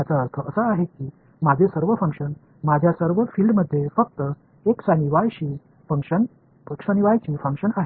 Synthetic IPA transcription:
jat͡saəɾt̪ʰəʔəsəːɦekiː | mad͡ʑʱesəɾʋəfəŋkʂən | mad͡ʑʱjasəɾʋəfilɖməd̪ʱːjefək̚t̪ə | eksaniʋajɕiː | fəŋkʂən | ksaniʋajt͡ɕiːfəŋkʂənaɦe

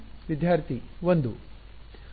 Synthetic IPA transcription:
ʋid̪jaːɾt̪ʰiʋond̪u

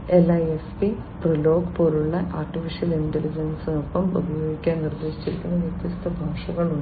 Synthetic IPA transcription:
elɐjespi | prilo̞ːɡpoːluɭːɐʔaːrʈːifiʂɐlindelid͡ʑɐnsnopːɐmṵbʱɐjo̞ːɡikʲːaːnnird̪e̞ːɕi̥t͡ɕːiɾikʲːunːɐʋjit̪jɐst̪ʰɐbʱaːʂɐɣɐɭuɳɖ

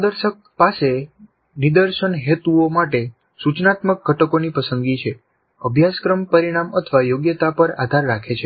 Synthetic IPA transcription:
d̪əɾʃək̚ | pase | nid̪əɾʃənɦet̪uomaʈe | sut͡ʃnat̪mək̚ɡʱəʈəkonipəsənɡit͡ʃʰe | əbʱjaskɾəmpəɾiɽ̃amət̪ʰəʋajoɡjət̪apəɾa̰d̪ʱaɾːakʰet͡ʃʰe

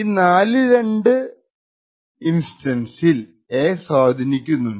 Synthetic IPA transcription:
naːlɨɾe̞ɳɖɨ | insʈɐnsil | eːsaːd̪ʱɐnikʲːunːuɳɖ

